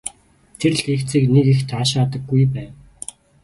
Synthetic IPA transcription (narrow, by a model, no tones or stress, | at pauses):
t̪ʰer̆ɮext͡sʰiːknekixt̪ʰaːʃaːt̪ə̆ɡːujpæːn